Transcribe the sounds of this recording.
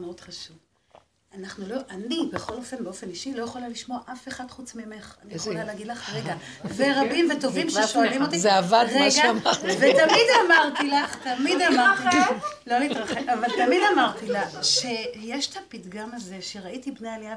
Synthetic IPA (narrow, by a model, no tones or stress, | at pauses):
mod̪χaʃuv | anaχnuloʔanibeχo̞lo̞fenbeo̞fe̞niʃilo̞jeχolaliʃmo̞aʔafe̞χad̥̪χut͡smeeme̞χanijχolaleːɡid̪laχʁeɡaveʁabimvet̪o̞vimʃeʃo̞alimot̪izeavadʁeɡamavet̪amid̪amaʁt̪ilaχt̪amid̪amaʁt̪ilo̞liːt̪ʁaχekavalt̪amid̪amaʁt̪ilaʃejeʃt̪apidɡamaze̞ʃeʁaitibnealia